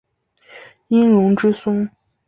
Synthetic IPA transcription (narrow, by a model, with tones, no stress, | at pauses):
i˥nɻʊ˧˥ŋʈ͡ʂɻ̩˥sʊ˥ŋ